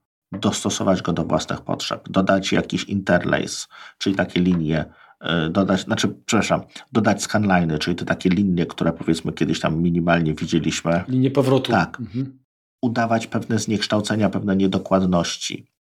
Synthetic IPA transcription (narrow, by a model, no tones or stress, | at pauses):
d̪ɔst̪ɔsɔ̰vad͡ʑɡɔd̪ɔvwʔa̰snɘ̰xpɔ̰tʂɛ̰pd̪ɔd̪at͡ɕja̰kʲiɕḭnt̪ɛɾlɛ̰jst͡ʂɘlʲit̪akʲɛlʲiɲjɛ | d̪ɔd̪at͡ɕnat͡ʂɘpʂɛpɾaʂamd̪ɔd̪at͡ɕskanlajnɘt͡ʂɘlʲit̪ɔt̪akʲɛlʲiɲjɛkt̪uɾɛpɔvʲjɛt̪smɘkʲɛd̪ɘɕt̪amːʲiɲimalɲɛvʲid͡ʑelʲiɕmɘlʲiɲɛpɔvɾɔt̪ut̪ak | ud̪avat͡ɕpɛvnɛzɲɛkʂt̪awt̪sɛɲapɛvnɛɲɛd̪ɔkwad̪nɔɕt͡ɕḭ